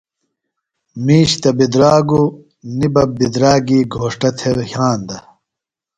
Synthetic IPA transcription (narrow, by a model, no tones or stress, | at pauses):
miːɕt̪ɐbid̪ɾaːɡu | nibɐbid̪ɾaːɡiːɡʱoːʂʈɐt̪ʰeɾhjaːnd̪ɐ